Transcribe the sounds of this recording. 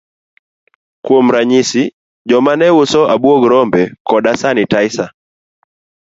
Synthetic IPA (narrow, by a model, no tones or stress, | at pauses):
kuɔm̩ɾaɲisi | d͡ʒɔmanɛwusɔaɓuɔɡɾɔmbɛkɔɗasanitaisa